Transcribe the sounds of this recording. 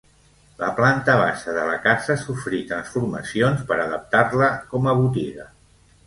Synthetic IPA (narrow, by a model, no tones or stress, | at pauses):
ləplant̪əβ̞aʃəðələkazəsufɾit̪ɾənsfuɾmə̰sionspəɾəðəp̚t̪arləkɔməβut̪iɣə